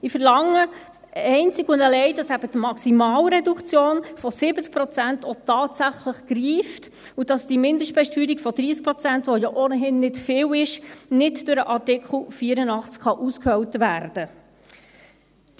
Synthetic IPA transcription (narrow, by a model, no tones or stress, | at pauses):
ɪfəɾlɑŋːə | ɛɪnt͡siɡʊndəlɛɪd̥ɑsæb̥ətmɑksimɑːlɾɛdukt͡sjoːnfɔsɪb̥ət͡sk̚pɾɔt͡sæntɔt̪ɑːtsæχləχɡ̥ɾiːft | ud̥ɑsd̥imɪnd̪əʃtpɛʃtyːɾikfɔd̥ɾiːsk̚pɾɔt͡sæntʋɔjɔʔonəɦɪnːɪtfɪːwɪʃnɪtd̥ʊɾəʔɑtɪkχl̩ˠfiːəɾənɑχt͡skχɑʔuskhœwtʋæːɾd̥ə